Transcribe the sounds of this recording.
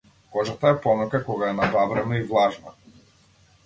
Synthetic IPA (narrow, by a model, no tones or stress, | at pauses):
kɔʒat̪aɛpɔmakakɔɡaɛnabavɾɛnɔivlˠaʒna̰